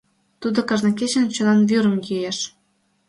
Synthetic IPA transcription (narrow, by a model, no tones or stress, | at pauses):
t̪ud̪okɤ̆ʒnɤ̆ket͡ɕə̆nt͡ɕŏnɑnvyɾə̆mjyjeʃ